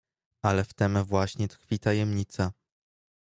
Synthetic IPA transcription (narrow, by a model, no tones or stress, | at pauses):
alɛft̪ɛmvwaɕɲɛt̪xfʲit̪ajɛmɲit̪sa